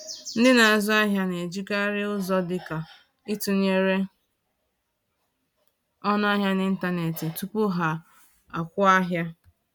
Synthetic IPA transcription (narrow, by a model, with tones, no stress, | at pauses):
n̩˦dɪ˦na˨a˨zʊ˦a˦ɦja˦ne˨d͡ʒi˦ka˦ɾɪ˦ʊ˦zɔ˦dɪ˨ka˨ | ɪ˦tu˨ɲe˨ɾe˦ | ɔ˦n˦a˦ɦja˦nɪ˦n̩˦ta˦ne˨tɪ˨tu˦pʊ˦ɦa˨ | a˨kʷʊ˦a˦ɦja˦